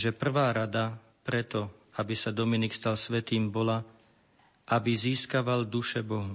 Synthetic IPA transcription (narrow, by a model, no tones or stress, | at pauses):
ʒɛpr̩ʋaːɾad̪a | pɾɛt̪ɔ | abisad̪ɔminikst̪alsʋɛt̪iːmbɔla | ʔabiziːskaʋald̪uʃɛbɔɦɔ